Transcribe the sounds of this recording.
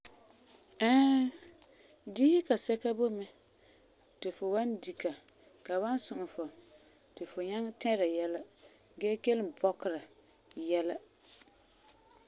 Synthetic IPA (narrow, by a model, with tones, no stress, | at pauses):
ɛ˦ | diː˦ka˨sɛ˦ka˦bo˦mɪ˦ | tɪ˨fʊ˨wa˦ndi˨ka˨ | ka˨ba˦nsʊ˨ʔʊ˨fʊ˨ | tɪ˨fʊ˨ɲɛ˦ŋ˦tɛ˦ɾa˨jɛ˦la˦ | ɡɛː˦ke˦lɪ˦bɔ˦kɪ˨ɾa˨ | jɛ˦la˦